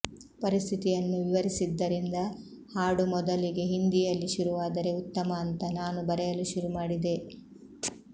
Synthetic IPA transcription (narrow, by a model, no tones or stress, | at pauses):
pɐɾist̪ʰit̪ijɐnːuʋiʋɐɾisid̪ːɐɾind̪ɐ | haːɽumɔd̪ɐliɡe̞ɦind̪ijɐlːiʃuɾuʋaːd̪ɐɾe̞ut̪ːɐmɐːnt̪ɐnaːnubɐɾɛjɐluʃuɾumaːɽid̪e̞